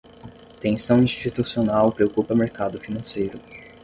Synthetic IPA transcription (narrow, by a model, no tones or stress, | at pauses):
t̪ẽsɐ̃w̃ĩʃt͡ʃit̪usionawpɾeokupɐmeɾkad̪ʊfinɐ̃sejɾʊ